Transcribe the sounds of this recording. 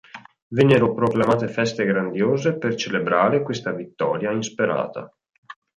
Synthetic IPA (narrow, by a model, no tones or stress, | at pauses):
venːeɾopɾoklamaːt̪efɛst̪eɡɾand̪joːzepert͡ʃelebɾaːɾekwest̪avit̪ːɔ̰ːɾjainspeɾa̰ːt̪a̰